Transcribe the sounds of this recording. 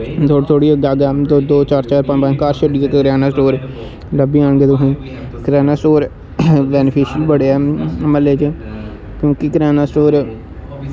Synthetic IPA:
t̪ʰoːɽt̪ʰoːɽiːəɡaːɡaːd̪od̪oːt͡ʃaːɾt͡ʃaːɾpənbakaːɾʃəɖiːəkːɾaːnaːsʈoːɾ | ləbiːãːɳɡeːt̪ʊɦĩː | kɾɛːnaːsʈoːɾ | bɛːnɪpʰeːʃəlbəɽeːɛːməleːt͡ʃ | kjõːkɪkɾɛːnaːsʈoːɾ

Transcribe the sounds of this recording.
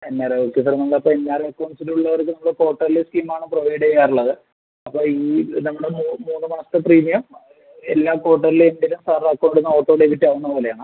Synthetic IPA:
enːaːreokːesɐɾnɐmːɭɐpːoenːaːɾekːonsiluɭːɐʋɐrk̬ʲːɨnɐmːɽeko̞ːʈːɐrileskiːmaːɳɨproʋɐjɽejaːruɭːɐðɨ | ɐpːo̞ːiːnɐmːuɽemuːmuːnːɨmɐnɐst̪ːɨpriːmijɐm | e̞lːaːko̞ːʈːɐrilenɖilumsaakːoːɳɖiɽunːɐoːʈːoːɽeʋiʈːiaːʋunːɐpo̞ːle̞jaːɳɨ

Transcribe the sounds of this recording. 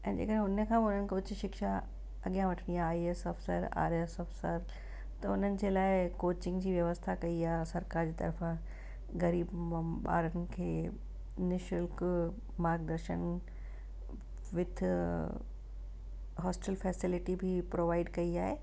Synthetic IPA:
ɛ̃ːd͡ʑḛːkəɗ̃ɦʊnəkʰãʊn̤ənɪ̆kʰoʊt͡ɕɪʃɪkʃa | ɐɠijãʋɐʈʰəɽ̃ijaːiesɔːfsəɾa̰ːɾesɔːfsə̰ɾ | t̪ɐʊn̤ənɪ̆d͡ʑeːlaːɪkoːt͡ɕɪ̃ŋɡd͡ʑiːʋjɐʋəst̪ʰakɐiaːɦsɐɾkaːɾd͡ʑiːt̪ɐ̰ɾfã | ɣɐɾiːbm̃ɓa̰ːɾənɪ̆kʰeː | nɪʃʊlk | maːɾɡ̚d̪ɐɾʃən | ʋɪt̪ʰɪ | ɦɔːsʈɛlfɛːsɪlɪʈibʱɪpɾoːʋaːɪɖkɐiaːɦeː

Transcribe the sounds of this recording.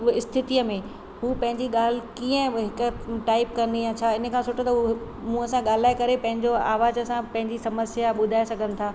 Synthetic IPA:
ɪst̪ʰɪt̪iəmẽ | ɦuːpɐ̃ɦɪ̃ɲd͡ʑiɠaːl̤ɪkiːə̃ɦɪkʈaːɪpkɐnd̪ijãt͡ɕʰaɪnə̆kʰãsʊʈət̪ɐɦu | mũɐsãɠaːl̤aːekɐɾepɐ̃ɦɪ̃ɲd͡ʑoa̰ːʋaːzəsãpɐ̃ɦɪ̃ɲd͡ʑisɐməsjaɓʊd̪ʱaːesɐɡʱənɪ̆t̪ʰaː

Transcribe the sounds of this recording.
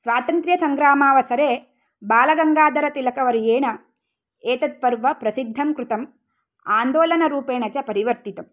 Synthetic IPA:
sʋaːt̪ɐnt̪ɾjɐsɐŋɡɾaːmaːʋɐsɐɾeː | baːlɐɡɐŋɡaːd̪ɐɾɐt̪ilɐkɐʋɐɾijeːɳɐ | eːt̪ɐt̪̚pɐɾʋɐpɾɐsid̪ʱːɐmkɾut̪ɐm | aːnd̪oːlɐnɐɾuːpeːɳɐt͡ʃɐpɐɾiʋɐɾt̪it̪ɐm

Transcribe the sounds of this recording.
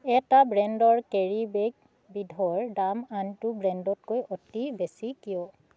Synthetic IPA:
ɛtabɹɛndɔɹkɛɹibek | bidʱɔɹdamantʊbɹɛndɔt̚kojɔtibesikijɔ

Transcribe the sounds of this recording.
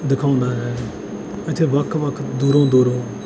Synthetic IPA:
d̪ɪkʰaːʊ̃ːnd̪aːd͡ʒaːɦeː | ət̪ʰeːʋəkʰʋəkʰd̪uːɾõːd̪uːɾõː

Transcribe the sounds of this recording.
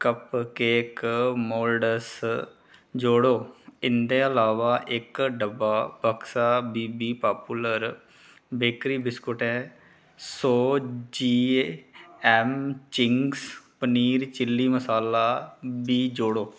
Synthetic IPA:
kəpkeːkmoːlɖəs | d͡ʒoːɽoːɪnd̪ẽːəlaːʋaːʔɪkɖəbaːbəksaːbiːbiːpaːpuːləɾ | beːkɾiːbɪskʊʈɛ̃ː | soːd͡ʒiː | ɛːmt͡ʃɪŋɡspəniːɾt͡ʃɪlːiːməsaːlaːbiːd͡ʒoːɽoː

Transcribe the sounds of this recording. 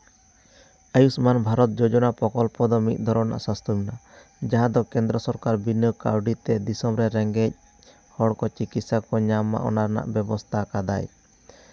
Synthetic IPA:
ajusmanbʱaɾɔt̪̚d͡ʒɔd͡ʒɔnapɔkɔlpɔd̪ɔmit̪̚ˀd̪ʱɔɾɔna̰ʔsast̪ʰumina | d͡ʒaɦãd̪ɔkɛ̃nd̪ɾɔsɔɾkaɾbinəka̰wɖit̪ɛd̪isɔmɾɛɾɛŋɡɛc̚ | hɔɽkɔt͡ʃikit̪sakɔɲamːa̰ʔɔ̰naɾna̰ʔbɛbɔst̪ʰakad̪a̰j

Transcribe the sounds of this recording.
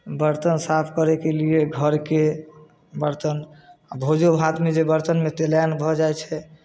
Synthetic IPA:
bəɾt̪ənsapʰkəɾɛkelieɡʱəɾke | bəɾt̪ənabʱod͡ʒobʱat̪med͡ʒebəɾt̪ənmet̪elajnbʱɔd͡ʒajt͡ʃʰɛ

